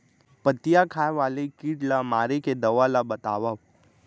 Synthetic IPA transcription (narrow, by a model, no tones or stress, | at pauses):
pət̪ijakʰaːjʋaːlekiːʈlamaːɾeked̪ɐʋalabɐt̪aːʋa